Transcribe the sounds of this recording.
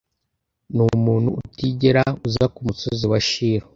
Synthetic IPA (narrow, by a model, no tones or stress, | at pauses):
numuːn̤huːtiɟeɾauzakumusoziwaʃiːɾo